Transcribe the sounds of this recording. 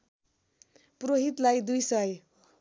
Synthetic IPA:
proɦit̪lajd̪ujsʌj

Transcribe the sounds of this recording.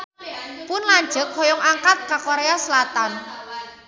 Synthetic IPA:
pʊnlaɲd͡ʒʒə̤k̚hɔjɔŋaŋkat̪̚kakoɾeasəlat̪an

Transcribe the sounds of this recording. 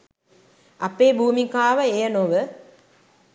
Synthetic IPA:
ʔɐpːeːbʱuːmikaːʋɐeːjɐnoʋə

